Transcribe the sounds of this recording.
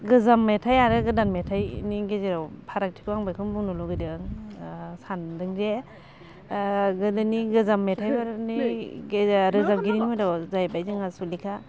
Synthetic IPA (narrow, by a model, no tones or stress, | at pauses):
ɡɯzamːetʰajaɾɯɡɯdanmetʰajniɡezeɾawpʰaɾak̚tʰi̥kʰɯaŋbajkʰɯnbuŋnuluɡɯdɯŋ | sandɯŋze | ɡɯdɯniɡɯzamːetʰajbaɾniɡeɾɯzamɡiɾinimadɔzajbajzɯŋasulikʰa